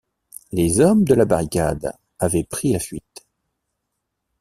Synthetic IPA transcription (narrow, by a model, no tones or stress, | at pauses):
lezɔmd̪əlabaʁikʲa̰d̪ | avɛpχilafɥit̪